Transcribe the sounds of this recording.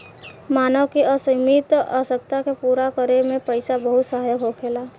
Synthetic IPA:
maːnəwkiəsəɪmit̪asək̚t̪akepuːɾakəɾemẽpəɪsabəɦʊt̪saɦjəɦokʰeːlaː

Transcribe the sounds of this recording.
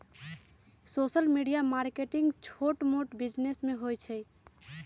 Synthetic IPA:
sosəlmiɖijamaɾkeʈiŋɡt͡ʃʰoʈmoʈbid͡ʒnesmeɦojt͡ʃʰɛ

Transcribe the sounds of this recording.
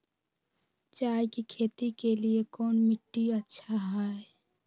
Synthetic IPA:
t͡ʃaːekikʰeːt̪itkeliekɔːnmɪʈːiətːʃʰaɦae

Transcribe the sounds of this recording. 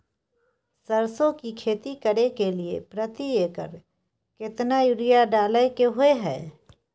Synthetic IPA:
səɾsõkikʰeːt̪ikəɾekeliḛpɾət̪ieːkə̰ɾ | kɪt̪najʊɽɪjaɖaːləekeɦoeɦɛː

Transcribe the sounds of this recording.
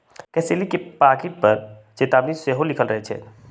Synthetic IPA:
kɛːselekepaːɾkɪʈ̚pəɾt͡ʃet̪aːbiseɦolɪkʰəlɾəɦɛt͡ʃʰɛ̰ː

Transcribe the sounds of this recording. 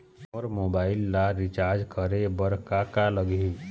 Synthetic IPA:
ɔːɾmoːbaːɪlːaɾɪt͡ʃaɾd͡ʒkəɾebəɾkakaləɡi

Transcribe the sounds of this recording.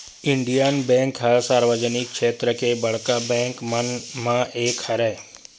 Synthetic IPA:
ɪ̃ɳɖijanbɛ̃ːŋkɦəsaːɾʋəd͡ʒənɪkʃeːt̪ɾəkebɐɽ̤kabɛ̃ːŋkmənmãʔeːkhəɾɛː

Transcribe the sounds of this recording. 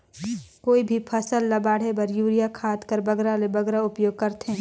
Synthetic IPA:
koːibʱipʰɐsəlːɐbaːɽ̤ebɐɾjuːɾijakʰaːt̪kɐɾbɐɡɾalebɐɡɾaʊpjoːɡ̚kɐɾt̪e

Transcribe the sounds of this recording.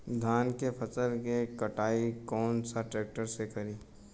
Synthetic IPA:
d̪ʱaːnkepʰɐsəlkekɐʈaːikɔːnsaʈɾeːk̚ʈəɾsekɐɾiː

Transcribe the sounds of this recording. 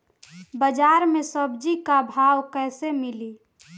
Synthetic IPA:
bəd͡ʒaːɾmẽsəbd͡ʒikabʱaːwkɛːsemɪli

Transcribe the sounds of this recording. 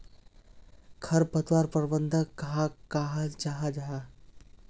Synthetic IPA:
kʰɐɾpɐt̪waːɾpəɾbənd̪ʱəkɐɦakaɦad͡ʒaɦad͡ʒaɦa

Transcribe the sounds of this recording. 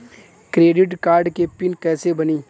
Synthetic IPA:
kɾeːɖɪʈkaːɾɖkepɪnkɛːsebɐniː

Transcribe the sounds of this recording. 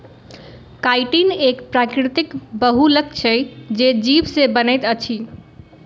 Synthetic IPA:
kajʈinekpɾakɾit̪ikbəɦulək̚t͡ʃʰɛd͡ʒed͡ʒibsebənɛjt̪ət͡ʃʰi

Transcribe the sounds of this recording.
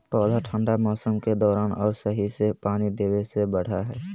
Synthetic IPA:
pɔːlaʈʰə̃ɳɖamɔːsəmked̪ɔːɾaːnɔːɾsəɦisepaːnid̪eːwesebəɽ̤aɦɛː

